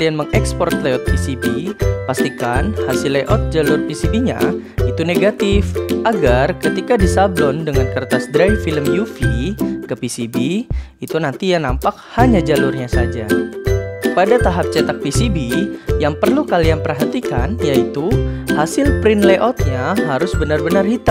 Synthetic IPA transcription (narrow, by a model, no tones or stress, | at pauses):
lianməŋɛkspɔrt̪leɔt̪̚pisibipast̪ikanhasɪlːeʔɔt̪̚d͡ʒalʊrpisibiɲa̰ | it̪uneɡat̪ɪfʔaɡarkət̪ikadisablɔndəŋankərt̪asdɾajfiləmjufikəpisibiit̪unant̪ijanampak̚haɲad͡ʒalʊrɲasad͡ʒa | padat̪aɦap̚t͡ʃɛt̪ak̚pisibijaŋpərlukalianpərɦat̪ika̰njait̪uhasɪlpɾɪnleʔɔt̪̚ɲaɦaɾʊsbənarbənarhit̪a